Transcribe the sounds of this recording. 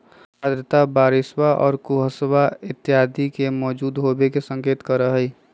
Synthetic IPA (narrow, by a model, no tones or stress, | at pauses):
ad̪ɾət̪abaːɾɪswaʔɔ̰ːɾkuɦəswaɪt̪ːjaːd̪ʱikemɔːd͡ʒuːd̪ɦobekesə̃ŋkeːt̪kəɾəɦɛi